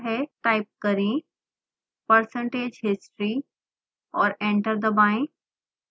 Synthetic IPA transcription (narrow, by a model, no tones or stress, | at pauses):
ɦeʈaːɪp̚kɐɾĩ | pəɾsə̃ɳʈeːd͡ʒɦɪsʈɾi | ɔːɾẽɳʈəɾd̪ɐbaːĩ